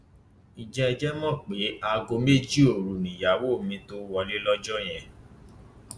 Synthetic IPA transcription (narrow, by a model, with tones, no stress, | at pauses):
i˨d͡ʒɛ˧ɛ˧d͡ʒɛ˦mɔ̃˦˨k͡pe˨˦a˧ɡo˧me˦˨d͡ʒi˦o˨ɾu˨nĩ˨ja˨˦wo˦˨mĩ˧˦to˦wɔ˧le˦lɔ˦d͡ʒɔ˦˨j̃ɛ̃˨